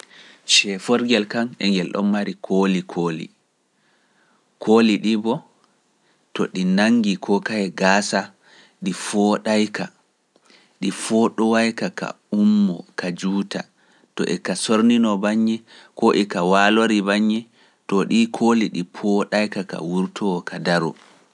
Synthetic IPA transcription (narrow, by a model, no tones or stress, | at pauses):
t͡ʃɛfɔɾɡɛlkanɛ̰ŋɡɛlɗɔ̰mːaɾikʰoːlikʰoːlḭ | kʰoːliɗibɔ | tɔɗinaŋɡikʰɔkaɛɡaːsa | ɗifɔɗajka | ɗifɔɗɔwajkaka̰ | umːɔ̰kad͡ʒuːta̰ | tɔ̰ʔɛkasoɾninɔbaɲːɛkɔʔɛkawaloɾibaɲːɛ | tɔɗikʰoliɗipʰɔɗajkaka̰wuɾtʰɔɔkʰadaɾɔ̰